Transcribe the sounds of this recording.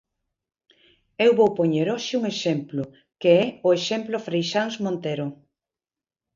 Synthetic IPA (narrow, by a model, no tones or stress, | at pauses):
ewβowpoɲeɾoʃɪuŋeʃemplʊ | keɛʊeʃemplʊfɾejʃaŋzmõnt̪eɾʊ